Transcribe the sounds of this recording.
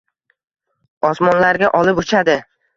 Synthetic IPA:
ɒsmɒnlaɾɡʲaʔɒlɪpʊt͡ʃʰad̪ɪ

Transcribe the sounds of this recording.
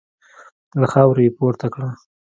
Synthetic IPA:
laxɑwɾajepoɾt̪akɽa

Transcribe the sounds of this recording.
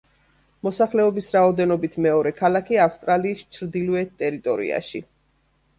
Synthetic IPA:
mɔsaχlɛɔbisɾaɔd̪ɛnɔbit̪ʰmɛɔɾɛkʰalˠakʰiafst̪ʼɾaliːst͡ʃʰɾd̪ilɛt̪ʼɛɾit̪ʼɔɾḭa̰ʃi

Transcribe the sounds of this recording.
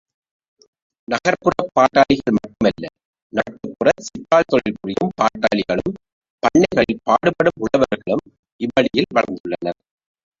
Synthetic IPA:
nɐɣɐɾpːɯrɐpːaːʈːaːɭɪɣɐɭmɐʈːɯmɐlːɐ̰ | nɐʈːɯpːɯrɐtsɪpːaːlt̪ɔɻɪlkʊrɪjɯmpaːʈːaːɭɪɣɐɭɯm | pɐɳːɐɪɣɐɭɪlpaːɽɯpɐɽɯmʊɽɐʋɐɾɣɐɭɯm | ʔɪʋɐɭɪjɪlʋɐɻɐnd̪ɯɭːɐnɐɾ

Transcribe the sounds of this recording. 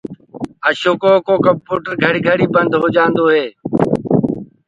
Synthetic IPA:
əʃoːkoːkoːkəmpuːʈəɾɡʱəɽiɡʱəɽiːbənd̪ʱɦoːd͡ʒãːnd̪oːɦeː

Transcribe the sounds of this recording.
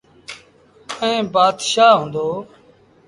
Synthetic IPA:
ɛ̃ːbaːd̪ʃaːɦʊ̃ːnd̪oː

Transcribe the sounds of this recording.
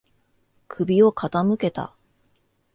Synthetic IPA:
kʰɯ̟bʲio̞kʰat̪amɯ̟ke̞t̪a̰

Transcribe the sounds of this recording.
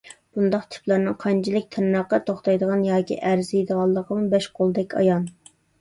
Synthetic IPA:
b̥und̪ɑqt̪ʰy̥plˠɑɾnɨŋqʰɑnt͡ʃʰilɪk̚ʲt̪ʰɪnːɑqːɑt̪ʰoχt̪ɑjd̪əʁɑnjɑːkʲḭʔæɾzjid̪əʁɑlˠːəqəmubɛʃqʰolˠd̪ɛkʲɑ̰jɑn

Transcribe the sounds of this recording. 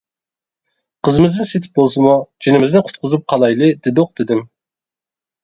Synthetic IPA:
qʰəzɨmɪzd̪ɨnset̪ʰɪ̥p̚bolˠsɨmud͡ʒinɪmɪzd̪ɪqʰʊ̥t̪̚qʰʊzup̚qʰɑlˠɑjlˠɨd̪ɪd̪oqd̪̥ɪd̪ɪm

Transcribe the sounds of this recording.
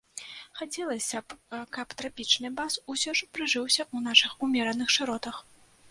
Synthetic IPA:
xat͡sʲɛlˠɐsʲɐpkɐpt̪ɾapʲit͡ʂnɨbasusʲɔʂpɾɨʐɨwsʲɐʔunaʂɨxumʲɛɾɐnɨxʂɨɾɔt̪ɐx

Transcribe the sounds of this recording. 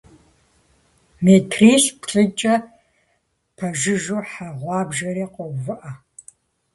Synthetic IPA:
metʰriːɬpʰɬʼɨt͡ʃʼɐ | pʰɐʒɪʒoːħaʁʷɑːbʒɐɾeːqʷɔvɨʔɐ

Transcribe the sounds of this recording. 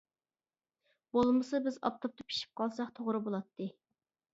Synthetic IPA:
b̥olˠmɨsɨbɪzɑ̰p̚t̪ʰop̚t̪ʰɨpʰi̥ʃi̥p̚qʰɑlˠsɑqt̪ʰoʁɾɨbolˠɑt̪ʰːɨ

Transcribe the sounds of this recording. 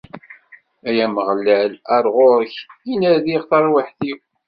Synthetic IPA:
æjæməʁlːælæɾˤʁoɾəçinæðiʁθɑɾˤwaħθiw

